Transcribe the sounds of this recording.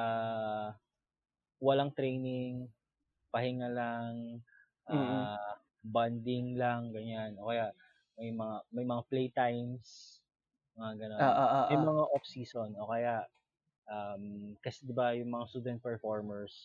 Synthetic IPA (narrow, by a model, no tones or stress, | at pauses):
ʔa | wɐlaŋt̪ɾɛjnɪŋ | pɐhɪŋalaŋ | ʔa | band̪ɪŋlaŋɡɐɲanʔo̞kɐjaʔ | mɐjmɐŋamɐjmɐŋaplejt̪ajms | mɐŋaɡɐnoːʔoʔʔmɛjmɐŋaʔopsiːso̞nʔokɐjaʔ | ʔamkɐsɛd̪ɪbajʊŋmɐŋast̪uːd̪ɛnt̪̚pɛɹfoɹmɛɹs